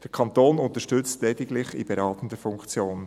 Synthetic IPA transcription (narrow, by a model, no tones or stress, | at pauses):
d̥əkʰɑntoːnʊntəʃtʏt͡stlɛdɪɡlɪχɪ̰b̥ɛɾɑːtən̩dəfʊŋkt͡sjoːn